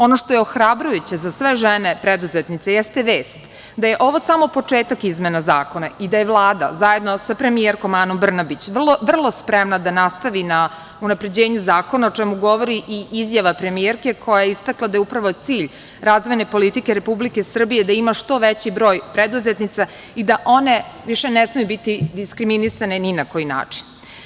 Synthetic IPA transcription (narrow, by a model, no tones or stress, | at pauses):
o̞no̞ʂt̪ojeoxɾabɾujut͡ɕezasʋeʒɛnepɾed̪uzet̪nit̪sejɛst̪eʋeːst̪ | d̪aje̞ʔo̞ʋo̞samo̞po̞t͡ʂe̞ːt̪akizmenazaːko̞naid̪ajeʋlˠaːd̪a̰zaje̞d̪no̞sapɾe̞mijeɾkomanombr̩nabit͡ɕʋrlˠoʋr̩lˠo̞spɾemnad̪anast̪aʋina | unapɾe̞d͡ʑeːɲuzaːko̞naot͡ʃɛmuɡo̞ʋoɾiʔiizjaʋapɾe̞mieɾke̞kʰo̞jajeist̪aklˠad̪ajeupɾaʋo̞t̪siːʎ | ɾazʋo̞jne̞po̞lit̪ikeɾe̞publike̞sr̩bije̞d̪aimaʂt̪o̞ʋet͡ɕibɾo̞ːjpɾed̪uzet̪nit̪sa | id̪aʔo̞ne̞ʋiʃenesmijubit̪id̪iskɾiminisaneninako̞jina̰ːt͡ʂi̥n